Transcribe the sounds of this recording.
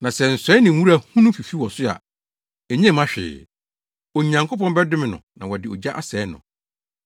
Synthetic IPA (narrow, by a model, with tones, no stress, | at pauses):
nã˨sɛ˨n̩˨sɛ˦nɪ̃˨wu˦ɾa˨hũ˦nʊ̃˦fi˨fi˦wɔ˨sʊ˦a̰˨ | ɛ˨ɲɛ̃˦˨mã˦ɕᶣɪ̰ː˨ | o˨˦ɲã˨ŋkʰo˦pʰɔ̃˦nbɛ˦dɪ˦mɪ̃˨nʊ̰̃˨nã˨wɔ˨dɪ˨ɔ˨d͡ʑa˦ʔa˦sɛː˨˦nʊ̰̃˨